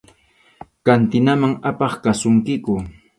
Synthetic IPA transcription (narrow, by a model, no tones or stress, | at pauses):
kant̪ɪnamaŋapɑχkasʊŋkɪkʊ